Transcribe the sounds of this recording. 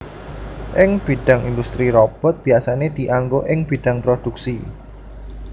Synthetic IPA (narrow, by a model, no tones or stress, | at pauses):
ʔɪŋb̥iɖ̥a̤ŋind̪ust̪ɾiɾɔb̥ɔ̤t̪̚b̥i̤asaned̪̥i̤ʔaŋɡoʔɪŋb̥i̤ɖ̥a̤ŋpɾod̪̥uk̚si